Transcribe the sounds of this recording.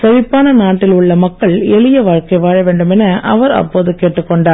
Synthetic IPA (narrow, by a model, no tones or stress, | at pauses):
sɐɾɪpːaːnɐnaːʈːɪlʊɭːɐmɐkːɐɭɛɭɪjɐʋaːɻkɐɪʋaːɻɐʋeːɳɖɯmɛnɐʔɐʋɐɾɐ̰pːoːðɯkeːʈːɯkːɔɳɖaːɾ